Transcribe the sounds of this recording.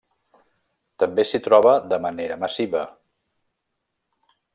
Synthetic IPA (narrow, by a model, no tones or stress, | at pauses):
t̪əmbesit̪ɾɔβəd̪əməneɾəməsiβə